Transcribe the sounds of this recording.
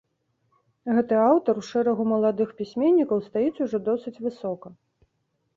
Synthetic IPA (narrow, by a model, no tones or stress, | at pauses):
ɣɛt̪ɨawt̪ɐɾwʂɛɾɐɣumɐlˠad̪ɨxpʲisʲmʲenʲːikɐwst̪ajisʲuʐɔd̪ɔsɨt͡sʲvɨsɔkɐ